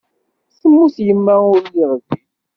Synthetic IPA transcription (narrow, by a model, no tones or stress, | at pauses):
səmːusjəmːæʊɾjiʁəvi